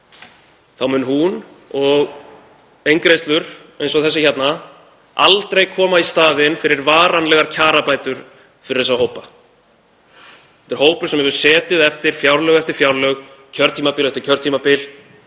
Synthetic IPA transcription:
θawmʏnhun | ɔɣ | ejŋkɾejst̪lʏɾ̥ejnsɔθɛs̬ɪçɛt̪na | a̰lt̪ɾejkʰɔːmaist̪aːðɪnfɪɾɪɾvaːɾanlɛɣaɾcʰaːɾapaːjt̪ʏɾ̥ | fɪɾɪɾθɛsːaɦoːwpa | θɛ̥t̪ɪɾ̥hoːwpʏɾ̥sɛmhɛvʏɾ̥sɛːt̪ɪðɛft̪ɪɾ̥fjawɾlœɣɛft̪ɪɾ̥fjawɾlœɣ | cʰœɾt̪ʰiːmapɪːlɛft̪ɪ̥ɾ̥cʰœɾt̪ʰimapɪl

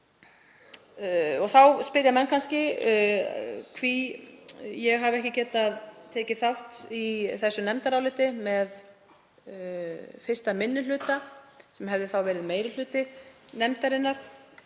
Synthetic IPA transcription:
ɔɣθawspɪɾjamɛnkʰanscɪ | kʰvi | jɛɣɦavɛhcɪcɛːt̪aðt̪ʰɛːcɪθawht̪iθɛsːʏnɛmt̪aɾawlɪːt̪ɪmɛð | fɪr̥st̪amɪnːɪlʏːt̪asɛmɦɛvðɪθawvɛːɾɪðmeːjɾɪlʏːt̪ɪnɛmt̪aɾɪnːaɾ̥

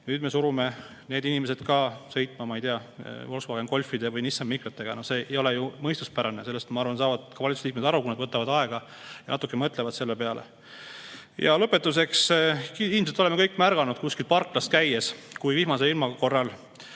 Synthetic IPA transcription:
nyːd̪me̞suɾume̞ | neːd̪inime̞se̞d̪̥kɑsɤ̞jt̪ːˑmɑmɑejt̪eɑvo̞lsvɑːɡ̥enko̞lʲfˑid̪̥e̞vɯjnisːɑmmikɾɑt̪ːˑe̞ɡ̥ɑno̞hse̞ːejo̞lejumɤjst̪uspæɾɑnese̞lːest̪e̥mɑɑrvɑnsɑːvɑd̪̥kɑvɑlʲit̪su̥slikme̥ɑɾukunɑd̪vɤt̪ːˑɑvɑd̪̥ɑe̞ɡ̥ɑ | jɑ̰nɑt̪ːˑukːˑemɤt̪ːˑlevɑd̪̥se̞lːe̞pe̞ɑlʔḛ | jɑ̰lɤpːˑe̞t̪ːˑus̬e̞kskiilːmset̪o̞lemekɤjkːˑmærɡ̥ɑnud̪̥̚kuskilpɑrkːlɑst̪kæjeskujviɦmɑse̞lilmɑko̞rːɑl

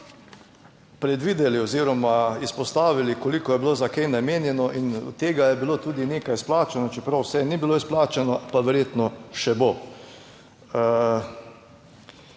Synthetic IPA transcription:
pɾɛd̪ʋiːd̪ɛlioziːɾɔmaispɔst̪aːʋilikolikɔjɛbilozakɛjnameːnjɛnɔʔinṵt̪ːeːɡajɛbilot̪uːd̪ineːkajsplaːt͡ʃɛnɔt͡ʃɛpɾawsɛnibiloisplaːt͡ʃanɔpaʋɛɾjeːt̪nɔʃɛbo

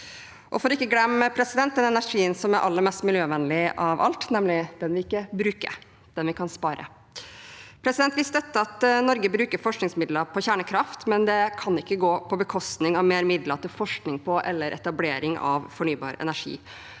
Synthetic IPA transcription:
ʔɔfɔːɾɪkːəɡlɛmːpʰɾɛsɪd̪ɛnt̪̚d̪ɛnɛnæʂiːənsɔmæɾʔɑ̰lːəɾmɛst̪mɪljøːʋɛnlɪʔɑʋɑ̰lt̪nɛmlɪd̪ɛnʋɪɪkːəbɾʉːkə̰ɾ | d̪̥ɛnʋɪkʰɑnspɑːɾə̰ | pʰɾɛsɪd̪ɛnt̪ʋɪst̪d̪ɛt̪ːəɑt̪nɔɾɡəbɾʉːkəɾfɔʂknɪŋsmɪd̪ləpʰɔçæːɳəkʰɾɑft̪mɛnd̪ɛkʰɑnɪkːəɡoːpʰɔbəkʰɔst̪nɪŋɑʋmeːɾmɪd̪lɑt̪ɪlfɔʂknɪŋpʰɔʔɛlːəɾʔɛ̰t̪ɑbleːɾɪŋɑ̰ʋfɔɳyːbɑ̰ːɾɛ̰næʂḭː

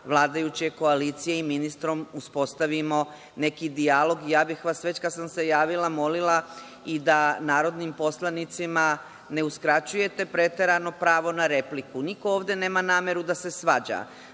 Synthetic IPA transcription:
ʋlˠaːd̪ajut͡ɕeko̞aliːt̪sije̞iminist̪ɾo̞muspo̞st̪aʋimo̞ | ne̞kid̪ialˠo̞ɡijaːbixʋasʋe̞t͡ɕkad̪samse̞jaːʋilˠamo̞lilˠa | id̪anaːɾo̞d̪nimpo̞slˠanit̪sima | ne̞uskɾat͡ɕuje̞t̪e̞pɾe̞t̪e̞ɾano̞pɾaːʋo̞naɾe̞plikunikooːʋd̪e̞ne̞ːmanaːmje̞ɾud̪ase̞sʋad͡ʑa̰

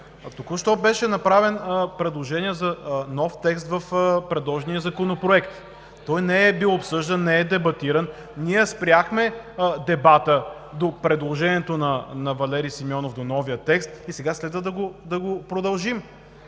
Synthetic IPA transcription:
t̪okʊʃt̪ɔbɛʃɛnɐpɾavɛnpɾɛd̪lˠoʒɛniɛzɐnɔft̪ɛkst̪vɐfpɾɛd̪lˠɔʒɛnijəzɐkonopɾoɛkt̪ | t̪ɔjnɛɛbilˠopsɤʒd̪ɐnːɛɛd̪ɛbɐt̪iɾən | niɛspɾʲjaxmɛd̪ɛbat̪ə | d̪opɾɛd̪lˠoʒɛniɛt̪onɐnɐvɐlɛɾijsimiɔnofd̪onɔvijət̪ɛkst̪isɛɡaslɛd̪vəd̪ɐɡod̪ɐɡopɾod̪ɐlˠʒim

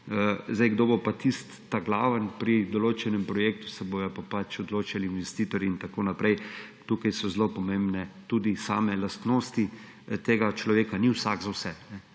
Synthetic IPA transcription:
əzd̪ajɡd̪oːbopat̪ist̪ːaɡlaːʋənpɾid̪ɔloːt͡ʃɛnɛmpɾɔjeːk̚t̪u̥sɛbojɔpapat͡ʃɔd̪loːt͡ʃaliːnʋɛst̪iːt̪ɔɾiint̪akoːnapɾɛjt̪uːkajsɔzlopɔmẽmbnɛt̪uːd̪isaːmɛlast̪noːst̪i | t̪eːɡat͡ʃlɔʋeːkaniwsaɡzawsɛnɛ

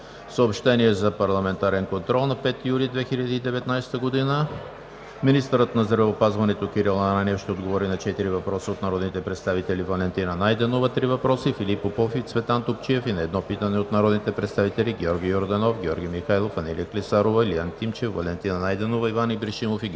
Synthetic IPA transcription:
fsəopʃt̪ɛniɛzɐpɐɾlˠɐmɛnt̪aɾɛnkont̪ɾɔlˠnɐpɛt̪ːijulid̪vɛxiʎʲəd̪iːd̪ɛvɛt̪najsɛ̥t̪əɡod̪inə | minist̪əɾət̪nɐzɾɐvɛopazvɐnɛt̪okʲiɾilˠnananɛfʃt̪ɛod̪ɡovɔɾinɐt͡ʃɛt̪iɾivɐpɾɔsiot̪nɐɾɔd̪nit̪ɛpɾɛt̪st̪avit̪ɛlivɐlɛnt̪inənajd̪ɛnovət̪ɾivɐpɾɔsifilipopɔfit̪svɛt̪ant̪ok̚t͡ʃiɛfinɐɛd̪nɔpit̪ənɛot̪nɐɾɔd̪nit̪ɛpɾɛt̪st̪avit̪ɛlʲiɡʲɔɾɡʲijoɾd̪ɐnɔfɡʲɔɾɡʲimixajlˠofɐnɛlḭəklisaɾovɐliant̪imt͡ʃɛfvɐlɛnt̪inɐnajd̪ɛnovɐivanibɾiʃimofi

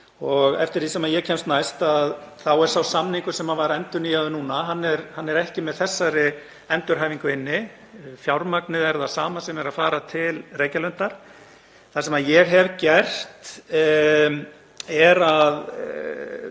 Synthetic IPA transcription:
ɔɣɛ̰ft̪ɪɾ̥θisɛmaðjɛcʰɛmst̪najst̪aðθawɛɾ̥sawsamniŋkʏsɛmavaɾɛnt̪ʏɾnijaðɪnuːnaɦanːɛɾhanːɛɾɛhcɪmɛðθɛsːaɾɪ | ɛnt̪ʏɾ̥ɦaːjviŋkʏɪnːɪ | fjawɾmaknɪðɛɾðasaːmasɛmɛɾaðfaːɾat̪ʰɪlreːjcalœnt̪aɾ̥ | θasɛmaðjɛɣɦɛvcɛr̥t̪ | ɛɾað

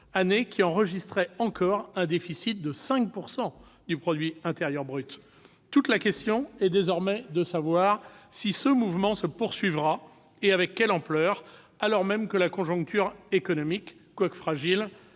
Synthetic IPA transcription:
anekʲiɑ̃ʁəʒist̪χɛɑ̃kɔʁɛ̃d̪efisit̪̚d̪əsɛ̃k̚puʁsɑ̃ | d̪ypχɔd̪ɥiɛ̃t̪eʁjœʁbʁyt̪ː | ut̪lakʲɛst̪jɔ̃ɛd̪ezɔʁmɛd̪əsavwaʁsisəmuvmɑ̃səpuʁsɥivʁa | eavɛkːɛlɑ̃plœːʁ | alɔʁmɛmkəlakɔ̃ʒɔ̃k̚t̪ʰyʁekɔnɔmikːwakə̥fχaʒil

